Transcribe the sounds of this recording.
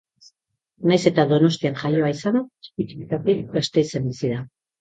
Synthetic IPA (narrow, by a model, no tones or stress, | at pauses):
najse̞t̪aðo̞no̞st̪ianʝajo̞aisanespit̪i̥kit̪at̪ibast̪e̞it͡se̞mbisiða